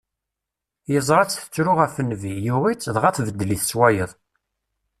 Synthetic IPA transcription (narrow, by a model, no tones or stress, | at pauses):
jəzˤɾɑt͡sːθə̥t͡sːɾʊʁæfənːvijuʁit͡sːðˤʁæθvəd̪ːliθswæjəðˤ